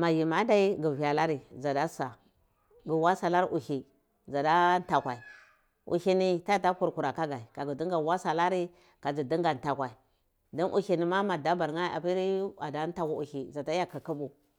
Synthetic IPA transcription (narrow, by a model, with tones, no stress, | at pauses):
ma˨ji˨ma˦da˦i˦ɡi˨vi˨a˨la˦ɾi˨za˨da˦sa˨ | ɡi˨wa˦sa˨la˦ɾi˦ʔu˨ʃi˨ | za˨da˦n˦ta˨kʷa˨i˨ | ʔṵ˨ʃi˦ni˨ta˦a˨ta˦ku˨ɾku˨ɾa˨ka˦ɡa˨i˨ka˨ɡu˨di˦ŋɡa˨wa˦sa˨la˦ɾi˦ | ka˨d͡ʒi˨di˦ŋɡa˨n˨ta˨kʷa˨i˨ | do˦nʔṵ˦˨ʃi˨ni˨ma˦ma˨da˦ba˨ɾŋa˦a̰˨pi˦ɾi˦a˨da˦n˦ta˦ku˦u˨ʃi˨za˨ta˦ja˨ki˨ku˦bu˨